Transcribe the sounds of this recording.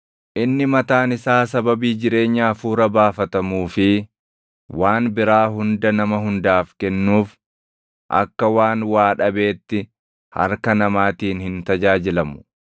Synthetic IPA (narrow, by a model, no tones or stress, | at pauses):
ʔɪnːɪmɐt̪aːnɪsaːs̬ɐbɐbiːd͡ʒɪɾe̞ːɲːaːfuːɾɐbaːfɐt̪ɐmuːfɪ | waːnbɪɾaːɦʊnd̪ɐnɐmɐɦʊnd̪aːfkɛnːuːf | ʔɐ̰kːɐwaːnwaːᶑɐbe̞ːt̪ːɪ | hɐ̰ɾkɐnɐmaːt̪iːnhɪnt̪ɐd͡ʒaːd͡ʒɪlɐmʊ̥